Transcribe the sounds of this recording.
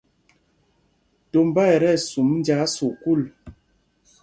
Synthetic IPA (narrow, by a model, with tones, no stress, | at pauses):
to˨m˦ba˦˨ɛ˨ɾɛ˦˨su˨mn˦d͡ʒa˨˦su˨ku˦˨l